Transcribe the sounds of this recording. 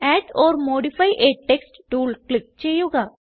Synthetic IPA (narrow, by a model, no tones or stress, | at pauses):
ɛːʈɔːɾmoːɖipʰaːiʔeːʈːeːksʈʈuːlklɪk̚t͡ʃejoːɡaː